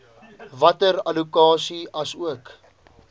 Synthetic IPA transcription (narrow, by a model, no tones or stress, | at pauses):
vɐtəɾɐlukɑːsiɐsuək